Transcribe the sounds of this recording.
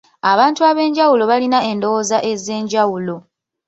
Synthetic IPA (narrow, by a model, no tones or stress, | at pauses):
aβaːntuaβe̞ːɲɟawulo̞βalinae̞ndo̞wozaʔe̞ze̞ːɲɟawulo̞